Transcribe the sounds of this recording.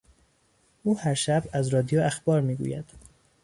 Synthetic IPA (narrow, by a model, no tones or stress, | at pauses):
ʔuːhæɾʃæbæzɾɒːd̪ijoæxb̥ɒːɾmiːɡṵːjæd̪̥